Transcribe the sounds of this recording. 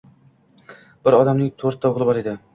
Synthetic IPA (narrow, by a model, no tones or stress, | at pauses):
b̥ɪɾɒd̪amnɪŋt̪ʰoɾt̪ʰːaʊʁlˠɪbɒɾed̪ɪ